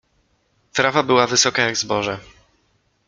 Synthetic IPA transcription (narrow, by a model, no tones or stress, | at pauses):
t̪ɾavabɘwavɘsɔkajaɡzbɔʐɛ